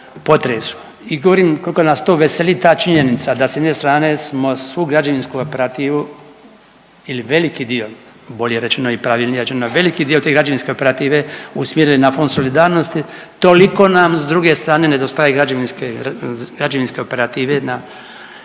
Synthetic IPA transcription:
po̞t̪ɾesu̥ | iɡooɾiːmko̞likonaːst̪oːʋeselit̪aːt͡ʃiɲe̞nit̪sad̪asejed̪neːst̪ɾaːne̞smo̞sʋuːɡɾad͡ʒaʋinskuopeɾat̪iːʋu | iliʋe̞likiːd̪iːo̞ | bo̞ʎeɾet͡ʃenoipɾaʋiːlnijeɾet͡ʃenoʋe̞likid̪iːot̪eːɡɾad͡ʒaʋinskeope̞ɾat̪iːʋeusmjeɾilinafond̪so̞lid̪aːɾnost̪i | t̪oliko̞namzd̪ɾuɡe̞st̪ɾaːne̞ned̪ost̪ajaeɡɾad͡ʒaʋinskeɡɾad͡ʒaʋinske̞opeɾat̪iːʋe̞na

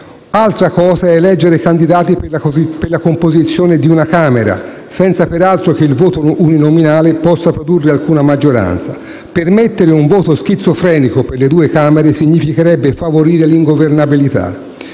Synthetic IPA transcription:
alt̪ɾakɔːzaɛlɛd͡ʒːeɾekand̪id̪aːt̪iperlakompozit̪sːjoːned̪iunakaːmeɾa̰ | sɛnt̪sapeɾalt̪ɾok̟eilvoːt̪ouninominaːlepɔsːapɾod̪urːealkuːnamad͡ʒːoɾa̰nt̪sa | permet̪ːeɾeuɱvoːt̪osk̟it̪sːofɾɛːnikoperled̪uːekaːmeɾesiɲːifikeɾɛbːefavoɾiːɾeliŋɡovernabilit̪a̰

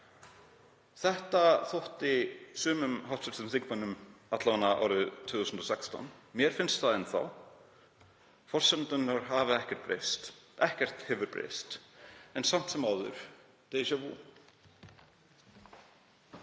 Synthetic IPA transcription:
θɛht̪aθowht̪ɪsʏːmʏmhawt̪sʏɾsʏnθiŋkvanːʏmat̪lavanːaʔa̰wɾʏt̪ʰvʏːθusnt̪ɔsɛkst̪ɔ̰nmjɛɾ̥fɪnst̪θaðɛnθa̰w | fɔr̥sɛnt̪ʏnːaɾ̥ɦavɪɛhcɛr̥t̪pɾḛjst̪ɛhcɛr̥t̪hɪːvʏɾpɾḛjst̪ɛnsam̥t̪sɛmaːwðʏ̰ɾ̥ | t̪ejsœvṵ

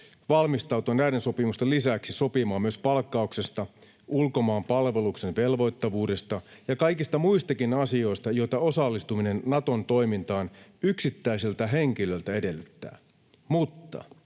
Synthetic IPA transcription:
ʋɑlmist̪ɑwt̪uɑnːæjdenso̞pimust̪elisæksiso̞pimɑːmyøspɑlkːɑukse̞st̪ɑ | ulko̞mɑːmpɑlʋe̞lukse̞nʋe̞lʋo̞jt̪ːɑʋuːde̞st̪ɑjɑkɑjkist̪ɑmuist̪ɑkinɑsio̞ist̪ɑjo̞it̪ɑo̞sɑlːist̪umine̞nːɑt̪o̞nt̪o̞imint̪ɑːnyksit̪ːæiselt̪æɦe̞ŋk̟ilø̞lt̪æe̞de̞lːyt̪ːæ̰ː | mut̪ːɑ̰

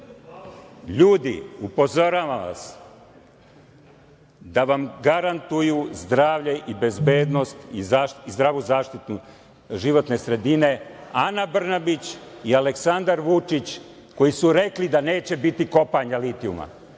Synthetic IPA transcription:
ʎuːd̪ḭupo̞zo̞ɾaʋaʋa̰s | d̪aʋamɡaɾant̪ujuzd̪ɾaːʋʎeʔibe̞zbe̞ːd̪no̞st̪izaːʃizd̪ɾaːʋuzaːʃt̪it̪nu | ʒiʋo̞t̪ne̞sɾe̞d̪ine̞anabr̩nabit͡ɕiale̞ksand̪aɾʋut͡ʂit͡ɕ | ko̞jisuɾe̞klid̪ane̞ːt͡ɕe̞bit̪iko̞paɲalit̪iuma̰

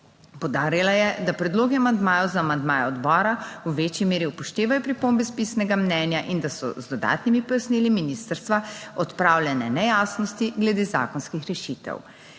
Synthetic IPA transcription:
powd̪aːɾilajɛd̪apɾɛd̪loːɡiamand̪maːjɔwzaːmand̪maːjɛɔd̪bɔːɾawʋeːt͡ʃjimeːɾiupɔʃt̪eːʋajɔpɾipoːmbɛspiːsnɛɡamnɛːnjaʔind̪asɔ̰zd̪ɔd̪a̰ːt̪nimipɔjasniːliminiːst̪əɾst̪ʋaɔt̪pɾaːwljɛnɛnɛjaːsnɔst̪iɡlɛd̪eːza̰ːkɔnskixɾɛʃiːt̪ɛ̰w

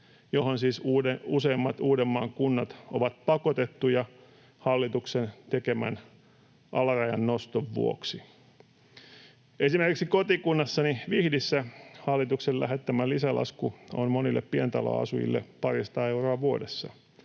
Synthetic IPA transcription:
johonsiːsuːeuseːmːɑt̪uːdemːɑːŋkunːɑt̪oʋɑt̪̚pɑkot̪et̪ːujɑ | hɑlːit̪uksent̪ekemæ̰n | ʔɑlɑrɑjɑnnost̪oʋːṵo̰ksi | esimerkiksikot̪ikunːɑsːɑniʋihdisːæhɑlːit̪uksellæ̰ɦet̪ːæmælisælɑ̰skuo̰nmonilːḛppient̪ɑlo̰ɑ̰sṵjḭlːepɑrisɑ̥t̪ɑːeuroɑʋuodesːɑ̰

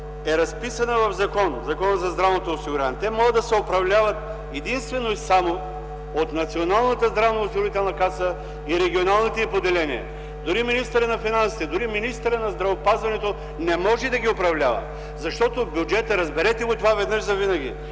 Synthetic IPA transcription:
ɛɾɐspisɐnɐvɐvzɐkɔnzɐkɔnəzɐzd̪ɾavnot̪oːsiɡʊɾʲanɛt̪ɛmɔɡəd̪ɐsɛopɾɐvlʲavɐt̪ | ɛd̪inst̪vɛnoisamo | ot̪nɐt̪sionalˠnət̪əzd̪ɾavnɐʊsiɡʊɾit̪ɛlˠnɐkasə | iɾɛɡʲionalˠnit̪ɛipod̪ɛlɛnḭɛ̰ | d̪ʊɾiminist̪əɾənɐfinansi̥t̪ɛd̪ʊɾiminist̪əɾənɐzd̪ɾɐvopazvɐnɛt̪o | nɛmɔʒɛd̪ɐɡʲiopɾɐvlʲavɐ̰ | zɐʃt̪ɔt̪obʲjud͡ʒɛt̪əɾɐzbɛɾɛt̪ɛɡot̪ovavɛd̪nəʒzɐvinɐɡʲḭ

